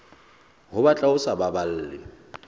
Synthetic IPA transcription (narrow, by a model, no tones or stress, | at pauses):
ɦʊbat͡ɬʼaʊsababal̩ːlɪ̰